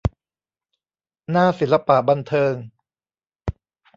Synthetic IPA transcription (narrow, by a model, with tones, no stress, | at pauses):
naː˥˩si˨˩˦nla˧pa˨˩ʔba˧nt̪ʰɤː˧ŋ